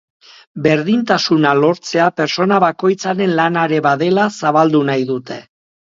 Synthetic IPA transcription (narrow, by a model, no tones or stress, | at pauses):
be̞ɾðint̪asunalo̞ɾt͡se̞ape̞ɾt͡so̞naβako̞jt͡saɾe̞nlanaɾe̞βaðe̞lasaβald̪unajðut̪e̞